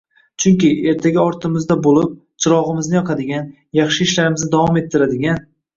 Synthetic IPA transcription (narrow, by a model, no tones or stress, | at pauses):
t͡ʃʰʊŋkʲɪʔe̞ɾt̪ʰaɡʲaɒɾt̪ʰɪmɪzd̪abolˠɪp̚ | t͡ʃʰɪɾɒʁɨmɪznɪjɒqʰɑd̪ɪɡʲan | jɑχʃɪːʃlaɾɪmɪznɪd̪avɒme̞t̪ʰːɪɾad̪ɪɡʲan